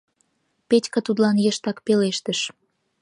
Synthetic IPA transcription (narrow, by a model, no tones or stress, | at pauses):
petʲkə̆t̪ud̪lɑnjə̆ʃt̪ɑkpeleʃt̪ə̆ʃ